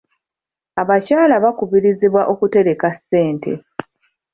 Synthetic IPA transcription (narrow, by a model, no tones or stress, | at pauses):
aβacaːlaβakuβiɾiziβwaʔo̞kute̞ɾe̞kasːe̞ːntʰe̞̰